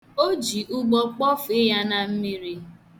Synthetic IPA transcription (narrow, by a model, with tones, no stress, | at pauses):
o˦d͡ʒi˨ʔu˦ɡ͡bɔ˦k͡pɔ˦fɪ˦ja˦na˨m̩˦mi˦ɾi˦